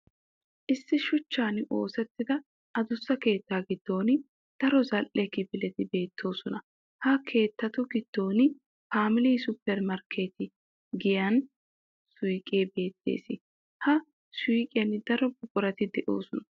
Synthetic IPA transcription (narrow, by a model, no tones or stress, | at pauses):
ʔɪsːɪʃʊt͡ʃːaːnʔo̞ːsɛt̪ːɪd̪ɐ | ʔɐd̪ʊsːɐke̞ːt̪ːaːɡɪd̪̥ːo̞ːn | d̪̥ɐɾɔzɐlʔɛkɪbɪlɛt̪ɪbe̞ːt̪ːo̞ːsɔnɐ | hɐkʰe̞ːt̪ːɐt̪ʊɡɪd̪̥ːo̞ːnɪ | dpaːmɪliːsʊpːɛɾmɐɾkʰe̞ːt̪ɪ | ɡɪjɐn | sʊjkʼeːbe̞ːt̪ːe̞̰ːsɪ | hɐ | sijkʼɪjɐnd̪ɐɾɔbʊkʼːʊɾɐt̪ɪd̪ɛʔo̞̰ːsɔnɐ